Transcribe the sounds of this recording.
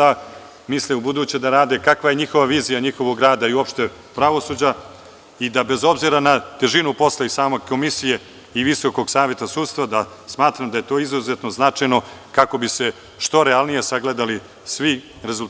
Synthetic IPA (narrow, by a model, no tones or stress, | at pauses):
a | misliubud̪uːt͡ɕed̪aɾaːd̪e̞kakʋaje̞ɲixo̞ʋaʋiːzijaɲixo̞ʋoɡɾaːd̪aiuo̞pʃt̪e̞ | pɾaʋo̞sud͡ʑa | id̪abe̞zo̞bziɾanat̪e̞ʒinupo̞slˠaisaːmoko̞misije̞ | iʋiso̞ko̞ɡsaːʋje̞t̪asuːt̪st̪ʋad̪a | smaːt̪ɾamd̪aje̞t̪o̞ːizuzet̪no̞znat͡ʂajnokako̞bise̞ | ʃt̪o̞ɾealˠnije̞saɡled̪ali | sʋi | ɾe̞zul